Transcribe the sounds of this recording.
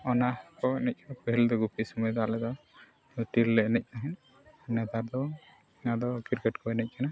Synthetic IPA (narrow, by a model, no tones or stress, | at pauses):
ɔnakɔɛnɛc̚kʰanapɔɦild̪ɔɡupisɔmɔjd̪alɛd̪ɔ | t̪ilːɛɛnɛc̚ˀnaɦɛn | nɛd̪aɾd̪ɔ | ad̪ɔkiɾkɛʈkʰɔɛnɛc̚ˀkʰana